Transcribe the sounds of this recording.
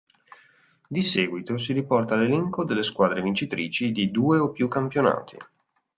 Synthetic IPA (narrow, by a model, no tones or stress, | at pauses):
d̪isɛːɡwit̪osiɾipɔrt̪alelɛŋkod̪elːeskwaːd̪ɾevint͡ʃit̪ɾḭːt͡ʃid̪id̪uːeopjukːampjona̰ːt̪ʰḭ